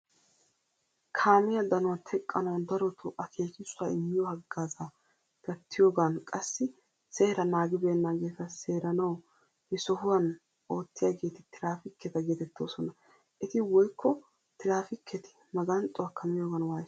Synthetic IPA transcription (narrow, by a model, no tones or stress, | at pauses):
kʰaːmɪjɐd̪ɐnʊwɐt̪ʰɛkʼːɐnɐwd̪ɐɾɔt̪ʰɔʔɐkʰe̞ːkɪsʊaɪmːɪjɔhɐɡːaːzaː | ɡ̪̥ɐt̪ʰːɪjo̞ːɡɐnkʼɐsːɪ | seːɾɐnaːɡɪbe̞ːnːaɡe̞ːt̪ɐseːɾɐnɐw | hɛsɔhʊwɐn | o̞ːt̪ːɪjaːɡe̞ːt̪ɪt̪ɪɾaːfɪkːɛt̪ɐɡeːt̪ɛt̪ːo̞̰ːsɔnɐ | ʔɛt̪ɪwɔjkːɔ | t̪ɪɾaːfɪkʰːɛt̪ɪ̥ | mɐɡɐnt̪ʼːʊwakʰɐmɪjoːɡɐnwaːj